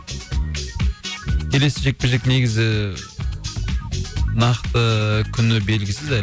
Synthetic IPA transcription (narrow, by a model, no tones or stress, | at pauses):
kʲʰe̞le̞sɪʒe̞k̚peʒekne̞ɡʲɪzɪ | nɑqt̪əkʲʰʏnɪbe̞lɡʲɪsɪzæ